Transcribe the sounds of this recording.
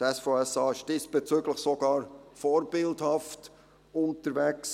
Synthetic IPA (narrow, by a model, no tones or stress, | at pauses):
tɛsfoːɛsɑːɪʃd̥ɪsb̥et͡syːɡləχsoɡɑːɾfɔːɾb̥ɪldhɑft | ʊntəɾvɛks